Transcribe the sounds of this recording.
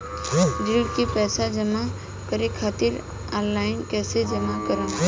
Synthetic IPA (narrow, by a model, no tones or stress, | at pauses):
d͡ʒiɖkipɛːsad͡ʒəma | kəɾekʰaːt̪ɪɾ | ɔnlaːɪnkɛːsed͡ʒəmakəɾən